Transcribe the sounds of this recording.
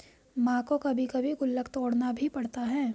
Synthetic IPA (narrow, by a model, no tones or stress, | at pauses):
mãːkokɐbʱikɐbʱikʊlːəkt̪ɔːɽnabʱipɐɽt̪aɦɛː